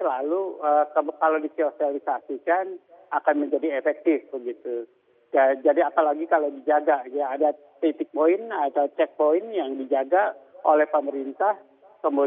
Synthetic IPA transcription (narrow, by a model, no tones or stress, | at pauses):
səlaluəkəmkalodisiosialisasikan | akanməɲd͡ʒadiefɛk̚t̪ɪfbəɡit̪u | d͡ʒad͡ʒadiapalaɡikalodid͡ʒaɡajaːda | t̪it̪ɪk̚poɪnat̪aut͡ʃɛk̚poɪnjaŋdid͡ʒaɡaolɛhpəməɾint̪ah | kəmo